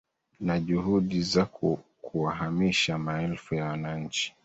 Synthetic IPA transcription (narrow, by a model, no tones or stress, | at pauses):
naʄuhuɗizakkʰuwaɦamiʃamaɛlfujawanaɲ̩t͡ʃi̥